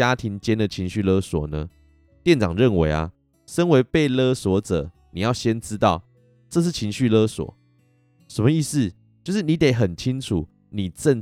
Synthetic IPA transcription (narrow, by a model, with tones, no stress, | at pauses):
a˦t̪ʰi˧˥ŋt͡ɕjɛ˦nd̪ə˨t͡ɕʰi˧˦ŋɕy˥˨lɤ˦swɔ˨˩nə˦ | t̪jɛ˥˨nt͡sɑ̰˨˩ŋɻə˥˨nwe˧˥ɪa̰˨ | ʂə˦nwe˧˥ɪpe˥˨ɪlɤ˦swɔ˧˥˦t͡sɤ̰˨˩˦ | ni˨˩jɑ˥˩ʊɕjɛ˦nʈ͡ʂɻ̩˦˥t̪ɑ˥˨ʊ | ʈ͡ʂɤ˥˧ʂ̬ɻ̩˥˩t͡ɕʰi˧˥ŋɕy˥˨lə˦swɔ̰˨˩˦ | ʂə˨˩mə˦i˥˧sɹ̩˥˨ | t͡ɕjo˥˧ʊʂ̬ɻ̩˥˩ni˨˦t̪e˨˩˦ɪɦə˨˩nt͡ɕʰi˦nt͡sʰu˨˩˦ | ni˨˩ʈ͡ʂə˥˧n